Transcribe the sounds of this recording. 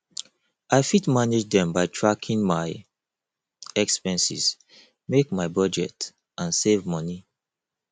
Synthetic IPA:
ʔaɪfitmaned͡ʒdɛ̃mbaɪtʰɹakʰĩŋmaɪ | ɛkspɛ̃nsḭs | mekmaɪbɔd͡ʒɛ̰t | ʔãnsevmɔni

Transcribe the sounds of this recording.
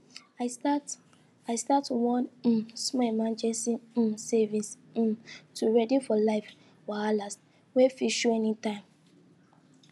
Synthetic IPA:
aɪstat | aɪstatwɔ̃n̩smɛmãnd͡ʒɛsĩsɛvĩs̩ | tuɹɛdifɔlaɪf | waalas | wefiʃuɛnitãɪ̃m

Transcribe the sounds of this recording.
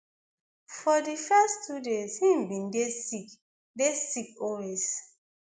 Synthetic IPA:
fɔdifɛstʰudeshĩmbĩndesik | desikɔwez̥

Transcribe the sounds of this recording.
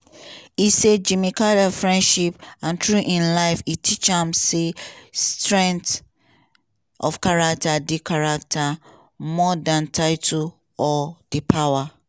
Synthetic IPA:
ised͡ʒimikaɾafɹɛ̃ndʃipãntʰɹuʔĩnlaɪfitʰit͡ʃãmsestɹɛ̃ŋt | ʔɔfkaɹak̚tʰadikʰaɹak̚tʰa | mɔdãntʰaɪtʰo | ɔd̥ipʰawa

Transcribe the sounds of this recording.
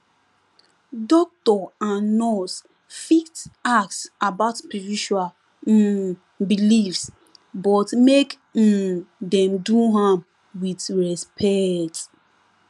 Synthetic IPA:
dɔk̚tɔanɔs | fitaksabaʊtpiɹiʃua | bilifs | bɔtmek̩ | dɛ̃mduɦãm | witɹɛspʰɛt

